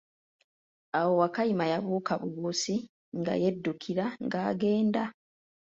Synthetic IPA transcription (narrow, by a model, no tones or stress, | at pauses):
awo̞wakajimajaβuːkaβuβusi | ŋɡa̰jedːukʰiɾaŋɡaːɡe̞ːnda